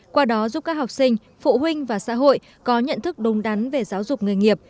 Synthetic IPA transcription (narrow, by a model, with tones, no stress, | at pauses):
kwaː˧ɗɔ˨˦zu˦˥p̚kaː˦˥k̚ha˨˩k͡p̚sï˧ŋ̟ | fṵ˧˨hï˧ŋ̟vaː˨˩sa̰ː˧˥ɦo̰˧˨j | kɔ˨˦ɲə̰˧˨nt̪ʰɨ˦˥k̚ɗʊ˨˦ŋ͡mɗa˨˦nve˨˩zaː˨˦wzʊ˨˩k͡p̚ŋɨ˨˩əjŋi˨˩əp̚